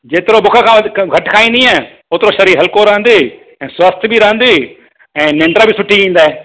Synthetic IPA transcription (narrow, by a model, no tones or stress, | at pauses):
d͡ʒeːt̪ɪɾobʊkʰəkʰãːɡʱɐʈkʰaːĩnd̪iãː | ʊːt̪ɪɾoʃɐɾiːɦɐlkoɾɐɦə̃nd̪e | ɛ̃ːswəst̪ʰbiɾɐɦə̃nd̪eː | ɛ̃ːnẽːɳɖɾabɪsʊʈʰiĩːnd̪aːeː